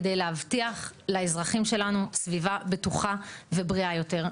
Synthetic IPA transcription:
d̪ejleavtiaχlaezʁaχimʃe̞lanusvivabetuχavebʁiajo̞te̞ʁ

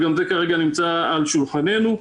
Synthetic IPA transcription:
ɡamze̞kaʁe̞ɡanimt͡saːlʃulχane̞nu

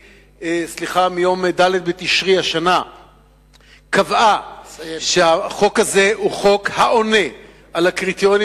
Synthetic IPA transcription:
esliχamijo̞md̪aled̪̚bet̪iʃʁihaʃana | kava | ʃeaχo̞khaze̞huχo̞khaʔo̞ne̞ | ʔalakʁit̪joni

